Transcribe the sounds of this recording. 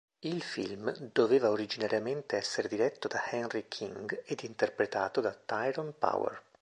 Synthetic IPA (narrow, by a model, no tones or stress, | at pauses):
ilfḭlmd̪oveːvaoɾid͡ʒinaɾjament̪eɛsːeɾed̪iɾɛt̪ːod̪ahɛnrikʰiŋɡed̪int̪erpɾet̪aːt̪od̪at̪ːajɾɔnpa̰wɛ̰r